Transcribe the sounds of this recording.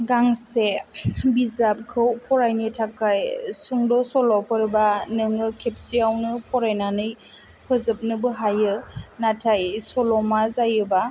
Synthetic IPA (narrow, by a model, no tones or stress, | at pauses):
ɡaŋsebizap̚kʰɯwpʰɔɾajnitʰakajsuŋdɔsɔlɔpʰɯɾbanɯŋɯkʰep̚siawnɯpʰɔɾajnanɯj | pʰɯzɯp̚nɯbɯɦajɯnatʰajsɔlɔmazajɯba